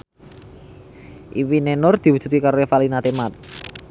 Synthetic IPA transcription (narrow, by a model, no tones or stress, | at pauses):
ʔiwinɛnʊrd̪̥i̤wud̥ʒ̥ṳt̪̚kikaɾoefalinat̪emat̪̚